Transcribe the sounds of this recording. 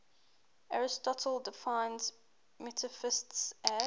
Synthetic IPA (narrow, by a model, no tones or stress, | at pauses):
aɹɪstɔtʰəlˠdɪfãɪ̃nz | mɛtʰəfɪstsɛ